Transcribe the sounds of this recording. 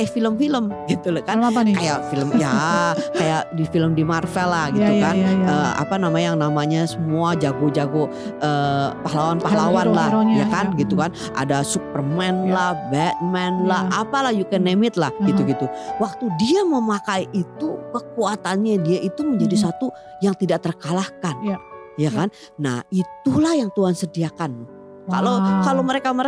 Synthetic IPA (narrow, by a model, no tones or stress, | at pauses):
ɛfiləmfiləmɡit̪ulakankajafiləmjakajaʔdifiləmdimarfɛlahɡit̪ukanəːa̰panamajaŋnamaɲasəmuad͡ʒaɡod͡ʒaɡo | əːpahlawanpalawanlahjakanɡit̪ukan | ʔa̰dasupərmɛnlahbɛt̪̚mɛnlahapalahjukenemɪt̪̚lahɡit̪uɡit̪uwak̚t̪udiaməmakaiʔit̪ukəkuat̪anɲadiaʔit̪uməɲd͡ʒadis̬at̪u | jaŋt̪idaʔt̪ərkalahkan | jakanː | ahit̪ulahjaŋt̪uɦansədiakan | ka̰lokaloməɾekamə